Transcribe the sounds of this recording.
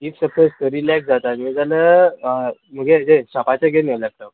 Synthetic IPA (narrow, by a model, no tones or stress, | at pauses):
iksəpʰəst̪əɾilɛksd͡zat̪amid͡zalə | m̤əɡed͡ʑeɕapat͡ɕaɡenalak̚ʈə